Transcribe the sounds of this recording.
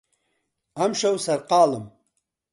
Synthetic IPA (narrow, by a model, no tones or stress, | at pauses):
ɐmʃɐwsɐɾqɑːlɨm